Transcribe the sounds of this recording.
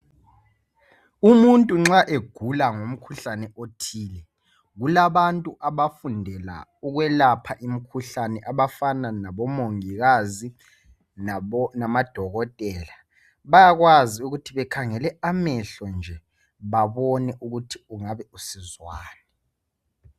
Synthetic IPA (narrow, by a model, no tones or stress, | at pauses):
umuntʼuŋ͡ǁaʔeɡ̥ʱulaŋom̩kʰuɬanɛʔotʰiːlɛ | ɣulaβantʼuʔaβafundʱɛla̰uɣwɛlapʰaʔim̩kʰuɬanɛʔaβafananaβɔmoŋiɣazi | nnamad̥ʱɔɣɔtʼɛːla | βajaɣwaziuɣutʰiβɛkʰaŋɛlɛamɛɬɔnd͡ʒʱɛ | βaβɔnɛʔuɣutʰiuŋaβɛusizwaːni